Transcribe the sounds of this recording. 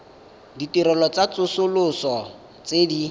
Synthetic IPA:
ditiɾɔlɔt͡sat͡sʊsʊlʊsɔ | t͡sedi

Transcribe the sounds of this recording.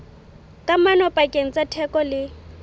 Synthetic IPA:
kʼamanɔpʼakʼeŋ̩t͡sʼatʰɛkʼɔlɪ

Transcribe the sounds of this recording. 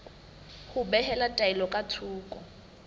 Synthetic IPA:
hʊbɛhɛlatʼailɔkʼatʰuːkʼɔ̰

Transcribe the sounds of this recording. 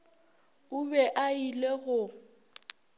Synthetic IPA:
ʊbɛʔaileɣʊ

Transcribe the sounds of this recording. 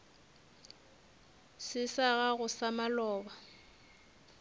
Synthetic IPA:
sɪsaɣaɣʊsamalɔːba

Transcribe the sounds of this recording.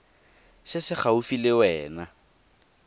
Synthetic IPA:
sɪsɪχaufilɪwɛːna

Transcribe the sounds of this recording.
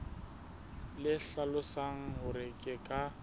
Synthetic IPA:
lɪɬalʊsaŋ̩ɦʊɾɪkʼɪkʼa

